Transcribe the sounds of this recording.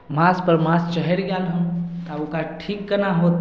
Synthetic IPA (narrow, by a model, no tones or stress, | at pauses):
maːspəɾmãːst͡ʃəɦɛɾɡjalɦə̃t̪aokaʈʰikːənaɦoːt̪